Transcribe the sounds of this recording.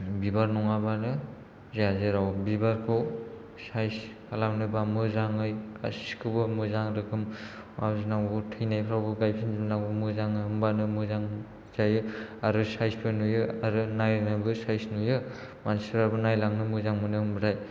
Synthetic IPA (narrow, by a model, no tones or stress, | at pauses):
bibaɾnɔŋabanɯ | zeazeɾawbibaɾkʰɯw | sajskalamnɯbamɯzaŋɯjɡa̰si̥skʰɯbɯmɯzaŋɾɯkʰɯm | mabzinaŋbɯtʰɯjnajpʰɾawbɯɡajpʰinzibnaŋbɯmɯzaŋɯɯmbanɯmɯzaŋ | z̥ajɯaɾɯsajsbʰɯnujɯaɾɯnajnabɯsajsnujɯmansɯɾabɯnajlaŋnɯmɯzaŋmɯnɯɯmbɾaj